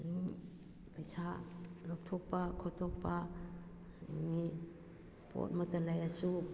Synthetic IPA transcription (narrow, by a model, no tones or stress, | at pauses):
liŋ | pejsalɔk̚tʰɔpakʰɔtʰɔpa | ŋi | po̰t̚mɔtalajasu